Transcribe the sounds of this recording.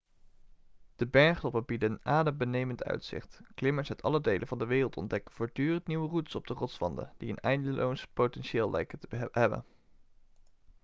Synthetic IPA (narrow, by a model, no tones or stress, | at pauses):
d̥əbɛɹχtɔpəbidəənaːdəmbənejməntœ̰ɥtsɪ̰χtklɪməɹsœtɑ̰lədejlənvɑndəʋeːrəlˠtɔ̰ndɛkəv̥oːɹdyːrəntniwʋərutə̥sɔb̚dərɔtsʋɑ̰ndə̰d̥iənɛjndəlʔowspotɛnʃɪːlˠlʔɛ̰jkətəɦɛbə̰n